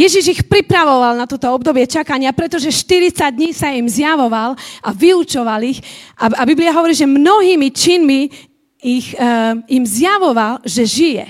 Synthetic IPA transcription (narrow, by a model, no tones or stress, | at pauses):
jɛʒiʒixpɾipɾaʋɔʋalnat̪ɔt̪ɔɔb̚d̪ɔbɪɛt͡ʃakaɲɪapɾɛt̪ɔʒɛʃt̪iɾit͡saɟ̚d̪ɲiːsaimzjaʋɔʋalaʋiut͡ʃɔʋalixʔaabibliaɦɔʋɔɾiːʒɛmnɔɦiːmit͡ʃinmi | iximzjaʋɔʋalʒɛʒijɛ̰